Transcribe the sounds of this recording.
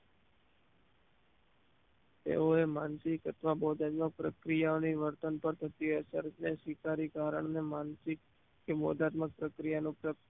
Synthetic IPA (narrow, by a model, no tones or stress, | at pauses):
t̪ḛoemansɪkət̪ʰʋabɔd̪ʱat̪mək̚pɾəkɾijaoniʋəɾt̪ənpəɾt̪ʰət̪iəsəɾneʃwɪkaɾikaɾə̰ɳnemansɪkː | ebɔd̪ʱat̪mək̚pɾəkɾijanũpɾə